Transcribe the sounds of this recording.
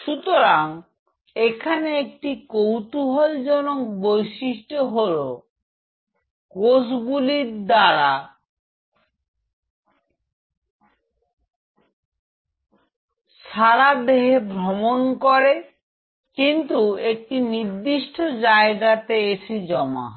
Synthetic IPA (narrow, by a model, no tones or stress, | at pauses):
ʃut̪oɾaŋ | ekʰaneek̚ʈikowt̪uɦold͡ʑɔnokbojʃiʃʈoɦolo | kosɡuliɾd̪aɾa | ʃaɾad̪eɦebʱɾomonkoɾe | kint̪uek̚ʈiniɾd̪iʃʈʰod͡ʑaeɡat̪eeʃʰid͡ʑɔma̰